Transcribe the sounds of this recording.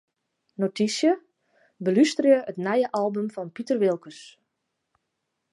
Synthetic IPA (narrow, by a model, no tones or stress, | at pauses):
notisjə | bəlystərjəətnɛjəʔɑlˠbəmfɔnpitərʋɪlˠkəs